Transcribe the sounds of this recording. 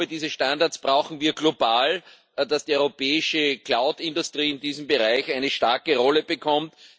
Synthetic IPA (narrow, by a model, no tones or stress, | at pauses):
ədiːzəʃtãndaɐt͡sb̥ʁaʊxn̩viːɐɡlobaːl | d̥asd̥iɔʏʁopʰɛːɪʃəkʰlaʊdɪndʊstʁ̥iːɪndiːzm̩bəʁaɪçæɪnəʃtaɐkəʁɔləb̥əkʰɔmt